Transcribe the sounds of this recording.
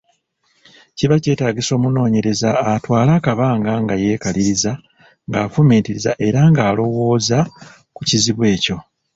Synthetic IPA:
ciβace̞ːtaːɡiso̞ːmuno̞ːɲe̞ɾe̞zaːtwaːlakaβaːŋɡaŋɡaje̞ːkaliɾiza | ŋɡaːfumiːntiɾiza̰ʔe̞ɾaŋɡaːlo̞wo̞ːza | kuciziβwe̞ːco̞

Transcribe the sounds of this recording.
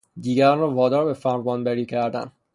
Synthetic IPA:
d̪iːɡæɾnɒvɒːd̪ɒːɾbefæɾvɒːnbæɾiːcʰæɾd̪æ̰n

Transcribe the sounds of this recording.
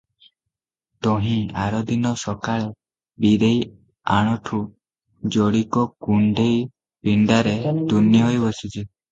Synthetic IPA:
t̪ɔɦĩaɾɔd̪inɔsɔkaɭe | bid̪ej | aɽ̃ɔʈʰu | d͡ʒɔɽikɔkuɳɖej | piɳɖaɾet̪unːiɦɔjbɔsid͡ʒi

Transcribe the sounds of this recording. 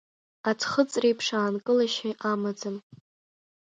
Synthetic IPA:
atʰχət͡sʼrejpʰʂaːnkʼɨlaʃɪʔamad͡zɨm

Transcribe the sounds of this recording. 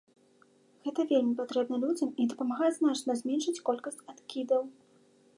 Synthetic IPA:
ɣɛt̪ɐvʲelʲmʲipat̪ɾɛbnɐlʲud͡zʲɐmid̪ɐpɐmaɣajɛznat͡ʂnɐzʲmʲɛnʂɨt͡sʲkɔlʲkɐsʲt͡sʲat̪kʲid̪ɐw

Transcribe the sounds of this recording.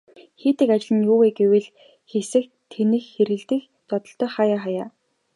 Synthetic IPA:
xeːt̪ɘ̆kat͡ɕɪ̆ɮɘ̆njʊːweːɡewɘ̆ɮ | xesɘ̆kt̪ʰːenɘ̆xxeɾɣɘ̆ɮt̪ɘ̆x | t̪ɔt̪ɞ̆ɬt̪œːχajaːχajaː

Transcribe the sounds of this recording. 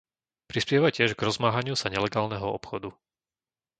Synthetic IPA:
pɾispɪjɛʋacɪɛʒɡɾɔzmaɦaɲɪusaɲɛlɛɡaːlnɛɦɔɔpxɔd̪u

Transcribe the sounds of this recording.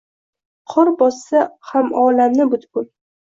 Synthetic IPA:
qʰɒɾbɒsːahamɒːlamnɪbʊt̪kʊl

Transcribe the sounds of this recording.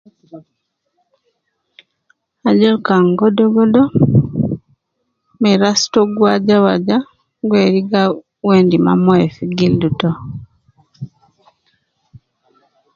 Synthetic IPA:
aɟolkaŋɡodoɡodo | miɾasi̥toɡwaɟawaɟa | ɡweːɾiɡa | weːndima̰moefiɡilduto

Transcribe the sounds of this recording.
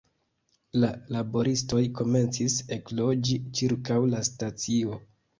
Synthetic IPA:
lalabo̞ɾʔisto̞jko̞me̞nt͡sise̞klo̞d͡ʒit͡ʃiɾkawlastat͡sio̞

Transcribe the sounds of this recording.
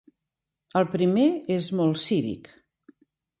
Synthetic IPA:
əlˠpɾimeezmɔlˠsiβḭk

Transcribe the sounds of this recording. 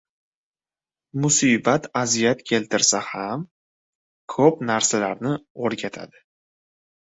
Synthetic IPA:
mʊsibat̪ʰazijat̪kʲʰe̞lt̪ɪɾsaham | kʰopnaɾsalaɾnɪoɾɡʲat̪ʰa̰d̪ɪ

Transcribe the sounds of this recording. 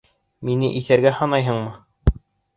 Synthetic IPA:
minɘ̰ʔiθæɾɡæhɑnɑjɦɤɴmɤ

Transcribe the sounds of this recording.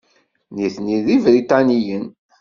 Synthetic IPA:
niθniðivɾit̪ɑnijən

